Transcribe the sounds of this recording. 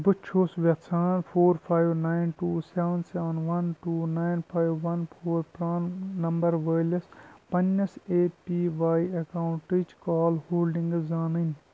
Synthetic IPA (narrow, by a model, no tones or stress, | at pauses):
bɨtːt͡ʃʰoːsʋɐksʰaːnpʰoːɾpʰaːjʋnaːɪnʈuːseːʋənseːʋɐnʋɐnʈuːnaːjnpʰaːjʋːɐnpʰoːɾpɾaːnːɐmbɐɾʋəjlespɐnːɐseːpiːʋaːjɐkaːwʊɳʈid͡ʒkaːlhoːlɖiŋɡzaːnənʲ